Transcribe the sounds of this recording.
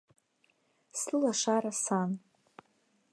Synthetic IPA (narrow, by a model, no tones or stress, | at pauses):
sɨlaʂaɾasan